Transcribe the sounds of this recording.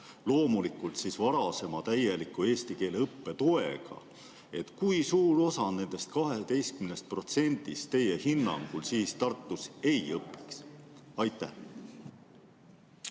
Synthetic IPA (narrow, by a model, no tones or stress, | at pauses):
lo̞ːmulikˑult̪sisvɑɾɑse̞mɑt̪æjelikːˑue̞ːst̪ike̞ːleɤpːe̞t̪o̞e̞̰ɡ̥ɑ̰ | e̞t̪kujsuːɾo̞sɑne̞nd̪̥e̞st̪̚kɑɦe̞t̪e̞jst̪̚kymnest̪̚pro̞t̪se̞nʲd̪ist̪t̪e̞je̞hinːɑ̰ŋɡ̥ulsiːst̪ɑrt̪ːˑuse̞jɤpːˑi̥ksɑjt̪ːˑæh